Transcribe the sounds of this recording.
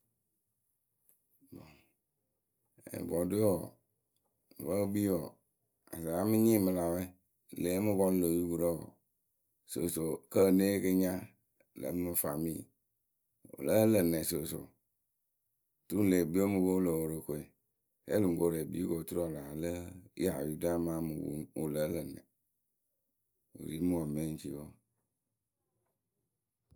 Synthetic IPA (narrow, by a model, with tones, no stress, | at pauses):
bo˨ | ḛ˨bɔ˨do˦ɔ˨ | wə˦bi˦ɔ˨ | a̰˨sa˨a˦mi˦ɲĩ˦˨mə˦la˨we˦˨ | le˨˦mu˦ɡɔ˦n˦lo˨u˦ɡu˨ɾo˦ɔ̰˨ | so̰˨so˨kə˦˨ne˦kə˦ɲã˦ | lə̰˨˦mɨ˦fa˨mḭ̃˦˨ | o̰˨lə˦lə˨ne˨so˨so̰˨ | tu˦le˨bi˦o˦mu˨bo˦lə˨wo˨ɾə˨ko˨e˨ | ḛ˦lu˨ŋ̩˨ko˨ɾe˨bḭ˨˦ko˨tu˦ɾo˦˨la˨lə˦a̰˨ju˦da˦mã˦mu˨wṵ˨o˨lə˨˦lə˨nɛ̰˨ | o̰˨ɾi˦mu˦wo˨me˦n˦t͡ʃḭ˦wo˦